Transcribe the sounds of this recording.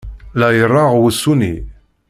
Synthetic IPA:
læjərˤːɑʁwəsːunḭ

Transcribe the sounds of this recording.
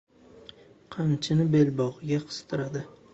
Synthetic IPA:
qʰɑnt͡ʃʰɪnɪbe̞lbɒʁɨɡʲaqʰɨ̥z̥t̪ʰɪɾad̪ɪ

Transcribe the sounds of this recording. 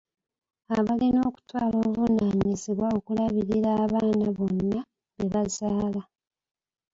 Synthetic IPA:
aβalino̞ːku̥twaːlo̞ːvunaɲiziβwao̞kulaβiɾiɾaːβaːnaβo̞nːa | βeβazaːla

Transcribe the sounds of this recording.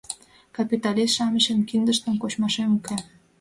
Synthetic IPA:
kɑpʲit̪ɑlisʃɑməʃemkind̪ə̆ʃt̪əmkot͡ɕmɑʃemuke

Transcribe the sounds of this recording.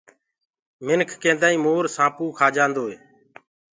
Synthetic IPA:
mɪnkʰkẽːnd̪aːĩːmoːɾsãːpuːkʰaːd͡ʒãːnd̪oːɦeː

